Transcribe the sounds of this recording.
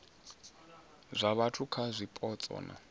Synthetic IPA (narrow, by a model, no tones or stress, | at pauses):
zʷaβatʰukʰazʷipʼɔt͡sʼɔ̰ːna̰